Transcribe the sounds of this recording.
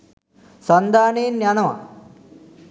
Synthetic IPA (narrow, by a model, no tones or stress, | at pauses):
sɐnd̪aːneːnjaːnɐma̰